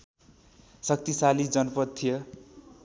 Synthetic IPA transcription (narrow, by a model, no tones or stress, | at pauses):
sʌk̚t̪isalid͡zʌnʌpʌt̪t̪ʰːijʌ